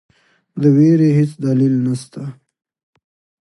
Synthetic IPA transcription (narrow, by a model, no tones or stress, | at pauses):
d̪əweɾeɦet͡sd̪alilnast̪a